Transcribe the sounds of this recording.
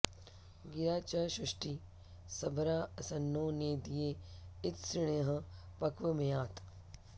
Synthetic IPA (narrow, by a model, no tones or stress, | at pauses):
ɡɪɾaːt͡ʃaʃɾɪʃʈiː | sɐbɾaːɐsɐnːoːneːd̪ijeːɪt̪sɾɪɽ̃eɦɐ | pɐkʋɐmɐjaːt̪